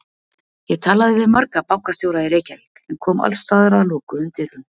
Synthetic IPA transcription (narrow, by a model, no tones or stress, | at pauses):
jɛɣt̪ʰaːlaðɪvɪðmaɾkapawŋkast̪jowɾaðɪɾeːjcalekɛmkʰɔːma̰lsːt̪aːðʏɾaalɔːkʏʏmt̪ɪɾʏn